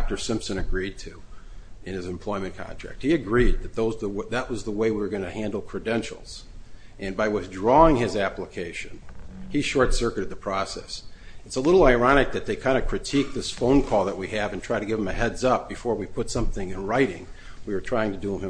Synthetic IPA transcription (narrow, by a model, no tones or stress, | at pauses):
k̚tə˞sɪ̃mpsɨ̃nɨɡɹid̚tʰʉ | ɨ̃nɨzɨ̃m̩pʰl̥ɔɪmɨ̃nkʰɑ̰̃ntʰɹ̥æ̰k̚t̚hiɨɡɹid̪̚ðɨt̪̚ðoʊzðəwðəʔ̚wʌzðəweɪwiwə˞ɡʌ̃ñɨhæ̃ndˡl̩ˠkʰɹ̥ɨdɛ̃nʃl̩ˠz̥ | ʔɨ̃nbaɪwɪθdɹɔɪ̃ŋɪzæpləkʰeɪʃɨ̃niʃɔɹtsɜ˞kɨɾɨd̪̚ðɨpʰɹ̥ɔsɛ̰sɨtsəlɪɾl̩ˠaɪɹɑñɨk̚ðɨt̪̚ðeɪkʰãɪ̃ndɨkʰɹ̥ɨtʰik̚ðɪsfõʊ̃nkʰɔlˠðəʔ̚wiɨvɨ̃ntʰɹ̥aɪɾɨɡɪṽm̩ðɨhɛdzʌp̚b̥ɨfɔɹwipʰʊtsʌ̃mθɪ̃ŋɨ̃nɹaɪɾɪ̰̃ŋ | wiwə˞tʰɹ̥aɪɪ̃ŋtɨdɨɪ̃mɨ̃